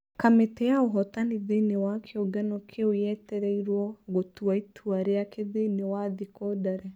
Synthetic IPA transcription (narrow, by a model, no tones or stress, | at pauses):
kametɛaoɦɔtaniðenewakʰeoɡanɔkʰeojɛtɛɾɛiɾwɔɣotuaitʰuaɾeakeðenewaðikɔdaɾɛ